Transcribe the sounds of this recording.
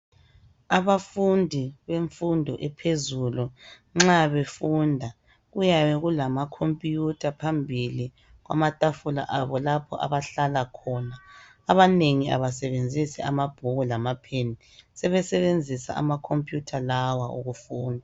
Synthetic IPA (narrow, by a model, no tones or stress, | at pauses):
aβafundʱiβeɱfundʱɔʔɛpʰezulu | ŋ͡ǁaβefundʱa | ɣujaβɛɣulamakʰompʼijutʰʼapʰambʱili | ɣwa̰matʼafula̰ʔaβɔlapʰɔ̰ʔa̰βaɬalakʰɔnaː | βaneŋiʔa̰βasɛβend͡zʱisɛamab̥ʱuɣulamapʰeni | sɛβɛsɛβend͡zʱisa̰ʔa̰makʰompʼjutʰalawaʔṵɣufuːndʱa